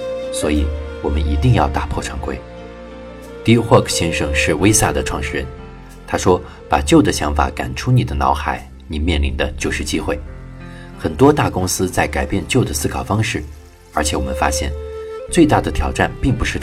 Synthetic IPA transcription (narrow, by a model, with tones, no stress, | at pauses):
swɔ˧˥i˨˩wɔ˨˩mə˦ni˧˥t̪i˥˧ŋjɑ˥˧ʊt̪a̰˥˧pʰwɔ˥˩ʈ͡ʂʰɑ˧˥ŋkwḛ˥˩ɪ | t̪i˥xwɔ˥˧˩kʰɕjɛ˥nʂɤ˥ŋʂɻ̩˥˩we˥ɪsa̰˥˩d̪ə˩ʈ͡ʂʰwɑ˥˧ŋʂɻ̩˥˩ɻə̰˧˥n | t̪ʰa˥ʂwɔ˥ | pa̰˨˩t͡ɕjo˥˩ʊd̪ə˩ɕjɑ̰˧˥ŋfa̰˨˧˥ka̰˨˩nʈ͡ʂʰu˥ni˨˩d̪ə˦nɑ̰˧˥ʊxa˨˧˦ɪ | ni˨˩mjɛ˥˩nli˧˥nd̪ə˧t͡ɕjo˥˧ʊʂɻ̩˥˩t͡ɕi˥xwe˥˩ɪ | xə˨˩nt̪wɔ˥t̪a˥˩kʊ˥ŋsɹ̩˥t͡sa˥˩ɪka˨˩ɪpjɛ˥˧nt͡ɕjo˥˩ʊd̪ə˩sɹ̩˥kʰɑ˨˩ʊfɑ˥ŋʂɻ̩˥˩ | ə˞˧˥t͡ɕʰjɛ˧˥wɔ˨˩mə˦nfa̰˥ɕjɛ̰˥˩nt͡swe˥˧ɪt̪a˥˩d̪ə˩t̪ʰjɑ˨˩ʊʈ͡ʂa˥˧˩npi˥˩ŋpu˧˥ʂɻ̩˥˧